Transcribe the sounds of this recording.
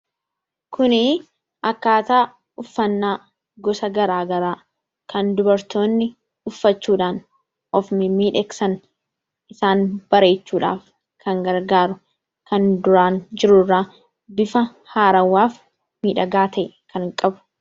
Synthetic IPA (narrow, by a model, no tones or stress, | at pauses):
kʊnɪ | ʔɐkːaːt̪aː | ʊfːɐnːaː | ɡɔsɐɡɐɾaːɡɐɾaː | kɐnd̪ʊbɐɾt̪o̞ːnːɪ | ʊfːɐt͡ʃːuːᶑaːn | ʔɔfmɪmiːᶑɛksɐn | ʔɪsaːnb̥ɐɾe̞ːt͡ʃːuːᶑa̰ːf | kʰɐŋɡɐɾɡaːɾʊ | kɐnd̪ʊɾaːnd͡ʒɪɾʊrːaː | bɪfɐ | haːɾɐwːaːf | miːᶑɐɡaːt̪ʰɐʔ | kɐŋkʼɐbʊ̥